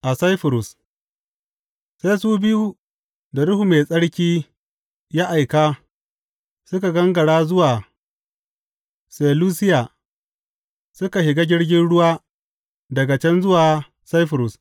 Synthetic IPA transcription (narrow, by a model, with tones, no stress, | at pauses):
ʔa˨sa˦jɸɪ˨ɾʊ˨s | se˦jsuː˦bɪ˦ju˦ | da˨ɽʊ˦hu˨me˨sʼɐ˦ɽkʲiː˦ | ja˦ʔa˨jkaː˦ | sʊ˦ka˨ɡɐ˦ŋɡɐ˨ɽaː˦zʊ˦waː˨ | seː˨luː˦sɪ˦jaː˨ | sʊ˦ka˨ʃɪ˨ɡaː˦ɡʲɪ˦ɽɡʲɪ˦nɽʊ˦waː˦ | dɐ˨ɡa˨t͡ʃɛ˦nzʊ˦waː˨ | sa˦jɸɪ˨ɾʊ˨s